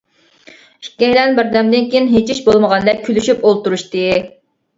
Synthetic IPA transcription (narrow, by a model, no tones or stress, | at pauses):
i̥ʃkʲɛjlɛnbɪɾd̪ɛmd̪ɪnkʲʰijinɦet͡ʃʰiʃbolˠməʁɑnd̪ɛk̚ʲkʲʰːylyʃypolˠt̪uɾuʃt̪ɨ